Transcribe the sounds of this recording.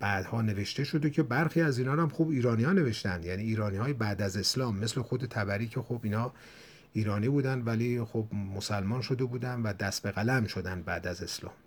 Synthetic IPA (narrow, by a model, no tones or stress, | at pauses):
b̥æːd̪̥hɒːne̞ve̞ʃt̪e̞ʃo̞d̪e̞cʰe̞bæɾxiːæziːnɒːɾæmxuːbiːɾɒːnijɒːne̞ve̞ʃt̪ænd̪jæniːiːɾɒːniɒːjebæːd̪æze̞slɒːmːe̞sle̞xod̪e̞t̪ʰæbæɾiːcʰe̞xobiːnɒː | iːɾɒːniːbuːd̪ænd̪væliːxobmosælmɒːnʃo̞d̪e̞buːd̪ænd̪væd̪æst̪be̞ɣælæmʃo̞d̪ænd̪̚bæːd̪æze̞slɒ̰ːm